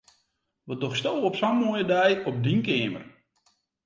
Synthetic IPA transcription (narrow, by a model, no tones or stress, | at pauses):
ʋɔdɔχstowɔpsammojədɛjɔp̚dinkɪːmə̰r